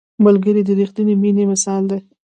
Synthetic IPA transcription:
malɡəɾid̪əɾixt̪uniminemɪsɑld̪e

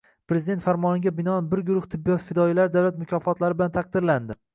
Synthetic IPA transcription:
pɾe̞zɪd̪et̪faɾmɒnɪɡʲabɪnɒanbɪɾɡʊɾʊht̪ʰɪbːijɒt̪fɪd̪ɒilaɾɪd̪awlat̪mʊkʲʰɒfɒt̪laɾɪbɪlant̪ʰaq̚d̪ɪɾland̪ɪ

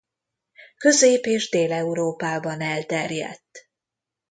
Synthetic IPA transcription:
kø̞zeːpeːʒd̪eːlɛuɾoːpaːbɒnɛlt̪ɛrjɛ̰t̪ː

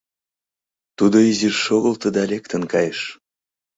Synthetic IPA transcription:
t̪ud̪oizirʃoɣəlt̪ə̆d̪ɑlʲekt̪ə̆nkɑjeʃ

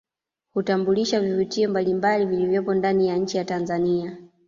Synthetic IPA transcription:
hutambuliʃavivitiɔmbalimbalivilivjɔpɔndanijaɲ̩t͡ʃijatanzania

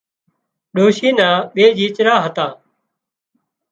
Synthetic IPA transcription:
ɗoːʃiːnãːɓeːd͡ʒiːt͡ʃɾaːɦət̪ãː

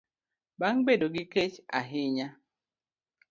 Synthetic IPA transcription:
baŋbedoɡiket͡ʃa̰ɦɪɲa

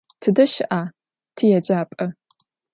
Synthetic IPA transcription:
tʰɨdɐʃɪʔaː | tʰɨjɛd͡ʒaːpʼɐ

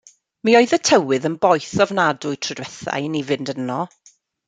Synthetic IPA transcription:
miɔɨðətʰəwɨðənbɔjθɔvnadʊɨtʰrədwɛθa̰jnivɨndənɔ

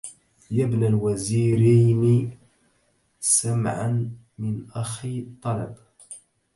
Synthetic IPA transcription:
jabnalwaziːɾajnɪ | samʕan | mɪnʔaxit̪ˤːɑlɑ̰b

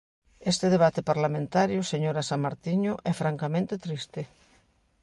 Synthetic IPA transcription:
est̪eðeβ̞at̪epaɾlamẽnt̪aɾjʊseɲoɾasamːaɾt̪iɲʊʔɛfɾaŋkamẽnt̪et̪ɾist̪e

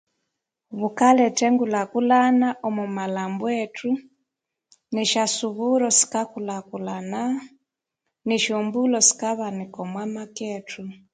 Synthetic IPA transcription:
βukalɛtɛŋɡulakulanaʔɔmumalambwɛtu | niʃasuβuɾɔsi̥kakulakulana | niʃɔmbulɔsi̥kaβanikɔmwamakɛtʰu

